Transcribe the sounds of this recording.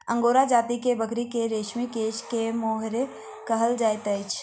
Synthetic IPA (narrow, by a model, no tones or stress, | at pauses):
ɐ̃ŋɡoːɾad͡ʒaːt̪ikebəkɾikeɾeːʃmikeːʃkemoːɦɾe | kɐɦəld͡ʒaːjt̪əɪt͡ʃ